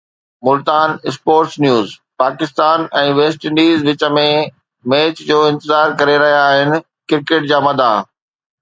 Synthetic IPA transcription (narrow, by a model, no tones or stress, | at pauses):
mʊlt̪aːnɪspoːɾʈsnjuːzpaːkɪst̪aːnɛ̃ːʋeːsʈɪ̃ɳɖiːzʋɪt͡ɕə̆mẽ | meːt͡ɕd͡ʑoːɪ̃nt̪ɪzaːɾkɐɾeɾɐɦijaːɦɪnɪ̆ | kɪɾkeːʈ̚d͡ʑaːmɐd̪ʱaː